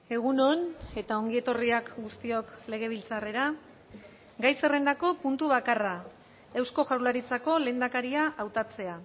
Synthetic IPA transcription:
e̞ɣ̞uno̞ne̞t̪ao̞ŋɡie̞t̪o̞riakɡust̪io̞kle̞ɣ̞e̞β̞ilt͡sare̞ɾa | ɡajse̞re̞nd̪ako̞punt̪uβakara | e̞wsko̞ʝawlaɾit͡sako̞le̞ːnd̪akaɾiaʔawt̪at͡se̞a

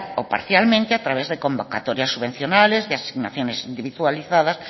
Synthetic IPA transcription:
opa̰ɾθjalmẽnt̪ɪat̪ɾaβezðekombokat̪ɔɾjasːuβen̟θjonalezðeasiɣna̰θjonesind̪iβiðwaliθaðɐs

